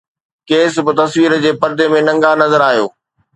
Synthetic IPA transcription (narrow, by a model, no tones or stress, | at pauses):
keːsbɪt̪ɐsʋiːɾəd͡ʑeːpɐɾd̪emẽnɐ̃ŋɡanɐzəɾaːɦijoː